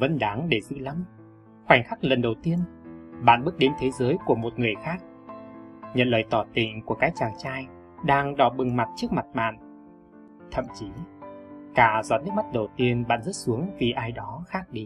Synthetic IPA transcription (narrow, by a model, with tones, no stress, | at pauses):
və̰˧˦nɗaː˨˦ŋɗe˧˩zɨ̰˧˨la˨˦m | hwa˨˩jŋ̟xa˦˥k̚lə˨˩nɗə˨˩wt̪i˧ənɓa̰ː˧˨nɓɨ˦˥ək̚ɗe˨˦nt̪ʰe˨˦zəː˨˦jku˧˩əmo˨˩t̚ŋɨ˨˩əjxaː˦˥k̚ | ɲə̰˧˨nləː˨˩jt̪ɔ˧˩t̪ï˨˩ŋ̟ku˧˩əkaː˨˦jt͡ɕaː˨˩ŋt͡ɕaː˧j | ɗaː˧ŋɗɔ˧˩ɓɨ˨˩ŋma˨˩t̚t͡ɕɨ˦˥ək̚ma˨˩t̚ɓa̰ː˧˨n | t̪ʰə̰˧˨mt͡ɕi˨˦ | kaː˧˩zɔ˨˦nɨ˦˥k̚ma˦˥t̚ɗə˨˩wt̪i˧ənɓa̰ː˧˨nzə˦˥t̚su˨˦əŋvi˨˩ʔaː˧jɗɔ˨˦xaː˦˥k̚ɗi˧